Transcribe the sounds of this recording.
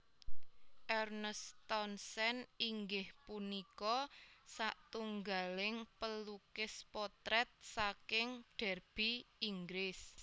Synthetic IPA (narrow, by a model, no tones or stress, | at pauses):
ʔɛrnəst̪ɔnsɛniŋɡɪhpunikɔsaʔt̪uŋɡalɪŋpəlukɪspɔt̪ɾɛt̪̚sakɪŋɖ̥ɛ̤rb̥iiŋɡɾɪs